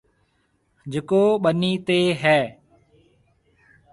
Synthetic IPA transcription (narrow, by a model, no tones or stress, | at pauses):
d͡ʒekoːɓəniːt̪eːɦɛː